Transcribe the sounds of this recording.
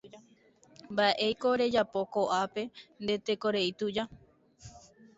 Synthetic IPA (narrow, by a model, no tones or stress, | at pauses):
mbaʔe̞jko̞ɾe̞d͡ʒapo̞ko̞ʔape̞nd̪e̞t̪e̞ko̞ɾe̞it̪ud͡ʒa